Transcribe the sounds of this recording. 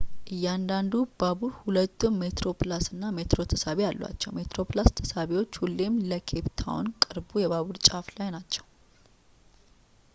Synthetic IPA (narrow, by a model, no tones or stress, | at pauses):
ʔɨjːand̪and̪ubaβuɾhulət̪ːunme̞t̪ɾo̞plasɨnːame̞t̪ɾo̞t̪ʰəsaβealːwa̰t͡ʃːɛwme̞t̪ɾo̞plast̪ʰə̥saβewo̞t͡ʃːhulːemːləkʰe̞bt̪ʰa̰wnkʼɨɾbujɛβaβuɾt͡ʃʼaflajnat͡ʃːɛw